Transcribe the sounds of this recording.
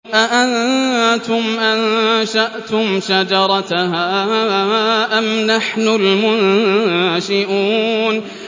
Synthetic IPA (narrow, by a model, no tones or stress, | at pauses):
ʔaʔant̪ʊmʔanʃaʔt̪ʊmʃad͡ʒɑɾˤɑhaː | ʔamnaħnʊlmʊnnʃɪʔuːn